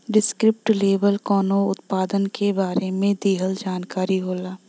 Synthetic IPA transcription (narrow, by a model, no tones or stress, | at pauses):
ɖɪskɾɪp̚ʈleːʋəlkɔːnoʊt̪paːd̪ənkʰebaːɾemẽd̪iːɦəld͡ʒaːnkaːɾiɦoːlaː